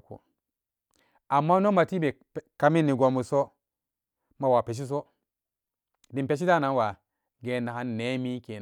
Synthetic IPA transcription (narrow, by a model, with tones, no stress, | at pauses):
ko̰˨ | a˨mːa˦no˦ma˨ti˦be˨ | ka˦mi˦nːi˨ɡo˨mu˨so˦ | ma˨wa˨pe˨ʃ̬i˦s̬o˦ | di˨mpe˦ʃ̬i˦da˦˨na˨˦wa˨ | ɡe˨na˨ha˦nːe˦mi˦ke˨